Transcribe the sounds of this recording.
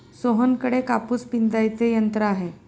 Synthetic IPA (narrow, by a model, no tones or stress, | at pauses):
soɦənkəɽekapuːspind͡zajt͡sejənt̪ɾəaɦe